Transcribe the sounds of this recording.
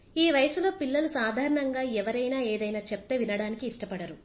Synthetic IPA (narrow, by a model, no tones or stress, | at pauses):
iːʋɐjɐsulo̞ːpilːɐlusaːd̪ʱaːɾɐɳɐŋɡaːɛʋɐɾɐjnaːeːd̪ɐjnaːt͡ʃep̚t̪eːʋinɐɽaːnikiːʂʈɐpɐɽɐɾu